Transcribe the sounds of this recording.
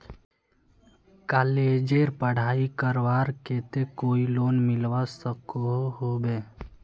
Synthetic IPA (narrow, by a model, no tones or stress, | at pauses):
kaːleːd͡ʒeɾpəɽ̤aːikəɾʋaːɾkeːt̪ekoːiloːnmɪlʋasəkoɦɦobeː